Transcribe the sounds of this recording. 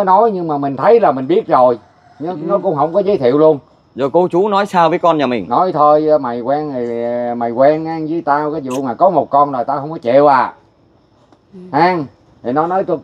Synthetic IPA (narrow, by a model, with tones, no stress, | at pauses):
nɔ˨˦jɲɨ˧ŋmaː˨˩mï˨˩ŋ̟t̪ʰə˨˦jlaː˨˩mï˨˩ŋ̟ɓi˦˥ət̚zo˨˩j | ɲ˨˦nɔ˨˦kʊ̰˧˥ŋ͡mɦə˧wŋ͡mkɔ˨˦zə˨˦jt̪ʰḭ˧˨əwlu˧ən | zo˨˩jko˨˦t͡ɕu˨˦nɔ˨˦jsaː˧wvəː˨˦jkɔ˧nɲaː˨˩mï˨˩ŋ̟nɔ˨˦jt̪ʰo˧jma˨˩jkwɛː˧ŋʰi˨˩ma˨˩jkwɛ˧nʔaː˧ŋzɨ˨˦əjt̪aː˧kaː˨˦jzṵ˧˨maː˨˩kɔ˨˦mo˨˩t̚kɔ˧nzo˨˩jt̪aː˧hə˧wŋ͡mkɔ˨˦t͡ɕḛ˧˨wʔaː˨˩ | ʔaː˧ŋ | t̪ʰi˨˩nɔ˨˦nɔ˨˦jt̪o˧